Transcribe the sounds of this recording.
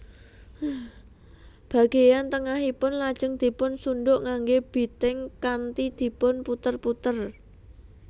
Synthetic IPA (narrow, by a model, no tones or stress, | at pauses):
b̥a̤ɡ̥e̤jant̪əŋaɦipʊnlad̥ʒ̥ə̤ŋd̪̥i̤pʊnsuɳɖʊʔŋaŋɡeb̥i̤t̪ɪŋkant̪id̪̥i̤pʊnput̪ərput̪ər